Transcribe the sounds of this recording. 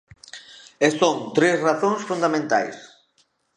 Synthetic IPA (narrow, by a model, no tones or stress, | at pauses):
est̪oŋt̪ɾesraθõŋsfund̪amẽnt̪a̰js